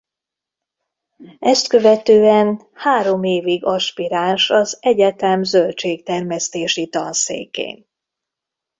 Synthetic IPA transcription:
ɛst̪kø̞vɛt̪øːɛn | haːɾo̞meːviɡɒʃpiɾaːnʃɒzɛɟɛt̪ɛmzølt͡ʃeːkt̪ɛrmɛst̪eːʃit̪ɒnsḛːkḛːn

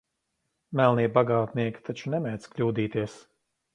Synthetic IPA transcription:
mælˠniɛbaɡaːt̪niɛkʲi̥t̪ʰat͡ʃunɛmʲɛːt̪sklʲuːd̪iːt̪iɛs

